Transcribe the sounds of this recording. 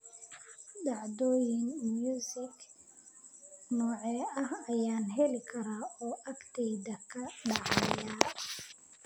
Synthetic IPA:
dɑʕd̪ɔːjɪnmjuːsɪk | nɔːʕɛːɐhɐjaːnɦɛlɪkʰɐɾaːɔːʔɐkt̪ʰɛjd̪ɐkʰɐɖɑʕɑjaː

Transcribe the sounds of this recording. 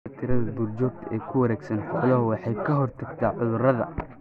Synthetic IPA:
t̪ʰɪɾɐðɐbuːrt͡ʃɔːɡ̚t̪ʰɐɛːkʰʊwɐɾɛːɡsɐnħʊʊlɐɦʊwɑħɑjkʰɐɦɔrt̪ʰɐɡt̪ʰaːʕʊðʊrɐðɐ̰

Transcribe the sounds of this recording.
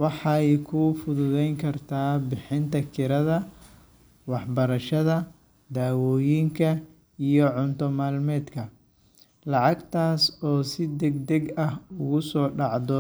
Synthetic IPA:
wɑħɑɛjkʰʊfʊðʊðɛjŋkʰɐrt̪ʰaːbɪħɪnt̪ʰɐkʰɪɾɐðɐ | wɑħbɐɾɐʃɐðɐ | d̪aːwɔːjiŋkʰɐ | ijɔʕʊnt̪ʰɔmaːlmɛːd̪kʰɐ | lɑʕɑɡt̪ʰaːsɔːsɪd̪ɛɡd̪ɛɡɐhʊɣʊsɔːɖɑʕd̪ɔ

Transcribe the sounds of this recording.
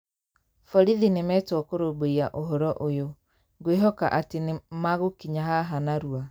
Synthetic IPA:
fɔɾiðinɪmɛtɔɔkoɾoboiaʔoɦɔɾɔʔojo | ɡweɦɔka̰ʔatɪnɪmaɣokiɲaɦaɦanaɾua

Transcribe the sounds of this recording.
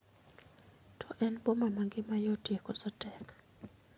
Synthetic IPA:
tʰɔʔɛnbomamaŋɡɪmajɔtekɔsɔtʼɛkḁ

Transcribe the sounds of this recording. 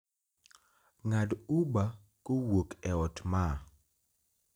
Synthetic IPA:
ŋaduba | kowokɛɔtma

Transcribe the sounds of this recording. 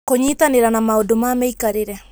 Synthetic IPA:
koɲiːtaneɾanamaodomaːmɛikaɾeɾɛ

